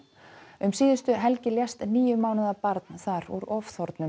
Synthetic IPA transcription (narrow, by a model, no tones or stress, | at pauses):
ʏmsiːðʏst̪ʏɦɛlcɪljɛst̪niːjʏmaːwnɪðapaɾt̪nθaɾṵɾɔfθɔɾt̪nʏm